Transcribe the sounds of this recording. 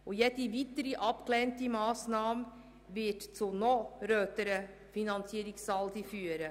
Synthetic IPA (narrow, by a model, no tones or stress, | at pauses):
ojɛt̪ivit̪əɾiʔɑpklɛntimɑːsnɑːm | vɪtt͡sunɔɾøːt̪əɾə | finɑnt͡siːɾɪksɑld̪ifyːəɾə